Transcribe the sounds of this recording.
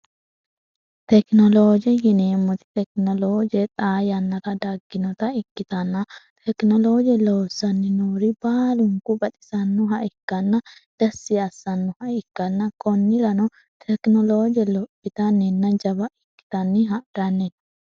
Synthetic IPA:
t̪ɛknɔloːd͡ʒɛjɪneːmːɔt̪ɪ̥t̪ɛk̚nɔloːd͡ʒɛt̪ʼaːjɐnːɐt̪ɐd̪ɐɡːɪnɔt̪ɐɪkːɪt̪ɐnːɐt̪ʰɛknɔloːd͡ʒɛloːsːɐnːɪnuːɾɪbaːlʊŋkʊbɐt̪ʼɪ̥sɐnːʊɦɐʔɪkːɐnːɐd̪̥ɐsːɪɐsːɐnːʊhɐɪkːɐnːɐkʼɔnːɪɾɐnɔ | t̪ʰɛknɔloːd͡ʒɛlɔpːɪt̪ɐnːɛnːɐd͡ʒɐβɐɪkːɪ̥t̪ɐnːɪɦɐʔd̪̥ɐnːɛ

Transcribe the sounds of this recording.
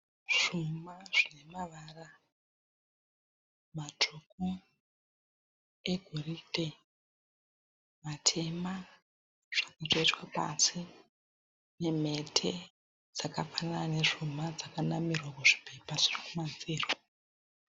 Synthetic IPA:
ʐ̥umaʐinemaʋaːra | matʰoku | eɡʱoridʱe̞ | matʰe̞ma | ʐ̥akatoitwapa̰si | ne̞me̞tʰe̞ | d͡zakafananane̞ʐumad͡zakanamirwakuʐi̥pe̞paʐirikumanziːro

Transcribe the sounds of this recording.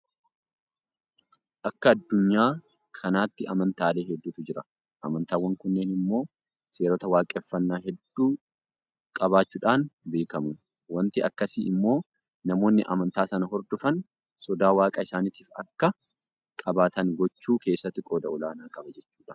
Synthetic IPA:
ʔɐkːɐːd̪ːʊɲːaː | kʰɐnaːt̪ːɪɐmɐnt̪aːle̞ːɦɛd̪ːuːt̪ʊd͡ʒɪɾɐ | ʔɐmɐnt̪aːwɐŋkʊnːeːnɪmːo̞ː | se̞ːɾoːt̪ɐwaːkʼɛfːɐnːaːɦɛd̪ːuː | kʼɐbaːt͡ʃːuːᶑaːnbe̞ːkɐmʊ | wɐnt̪ɪɐkːɐsḭːɪmːo̞ː | nɐmo̞ːnːɪʔɐ̰mɐnt̪aːsɐnɐɦɔɾd̪ʊfɐn | sɔd̪aːwaːkʼɐɪsaːnɪt̪iːfɐkːɐ | kʼɐbaːt̪ɐŋɡɔt͡ʃːuːke̞ːsːɐt̪ːɪkʼoːd̪ɐɔlaːnaːkʼɐbɐd͡ʒɛt͡ʃːuːᶑɐ̥

